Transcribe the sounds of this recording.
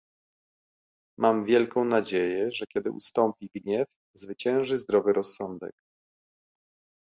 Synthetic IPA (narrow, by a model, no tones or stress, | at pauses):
mʔamvʲjɛlkɔ̃w̃nad͡ʑejɛʐɛkʲjɛd̪ɘ̰ʔṵst̪ɔmpʲiɡɲɛf | zvɘt͡ɕɛ̃w̃ʐɘzd̪ɾɔvɘɾɔsːɔnd̪ɛ̰k